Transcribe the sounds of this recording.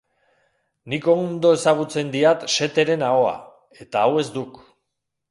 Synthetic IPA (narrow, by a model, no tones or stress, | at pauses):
niko̞nd̪o̞e̞saɣ̞ut͡se̞nd̪iat̪ʃe̞t̪e̞ɾe̞nao̞a̰ | e̞t̪aːwe̞zd̪uk